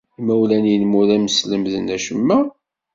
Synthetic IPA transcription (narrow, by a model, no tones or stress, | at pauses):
mæwlænjənmuðæməsləmðənæʃəmːæ